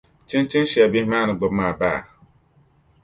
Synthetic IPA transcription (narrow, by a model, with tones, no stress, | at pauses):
t͡ʃɪ˦nt͡ʃɪ˦nʃɛ˨a˨bi˦maː˦˨nɨ˨ɡ͡bʊ˨bmaː˨ba̰ː˦˨